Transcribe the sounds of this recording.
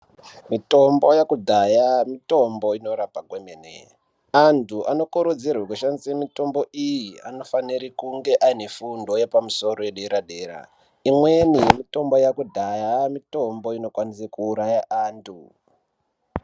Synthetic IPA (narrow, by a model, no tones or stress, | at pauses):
mito̞mbo̞jakudʱajamito̞mbo̞ino̞ɾapaɡʱwemenḛ | antʰuʔano̞kuɾud͡zirwekuʃanziemito̞mbo̞ʔijia̰no̞faniɾikuŋɡe̞ʔainefundo̞jepamuso̞ro̞eɗeɾaɗeːɾa̰ | imwenimito̞mbo̞jakudʱajamito̞mbo̞ino̞kwanisekuːɾajaʔaːntʰu